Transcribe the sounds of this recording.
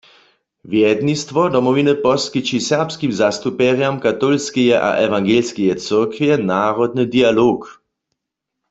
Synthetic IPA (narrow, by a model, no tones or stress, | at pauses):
vjɛd̪nist̪vɔdɔmɔvinəpɔskit͡ʃisɛʁpskimzast̪upɛʁjamkat̪ɔlskɛjɛʔa̰ʔɛvaŋɡelskɛjɛt͡səʁkvjɛnaːʁɔd̪̚nəd̪ialoːk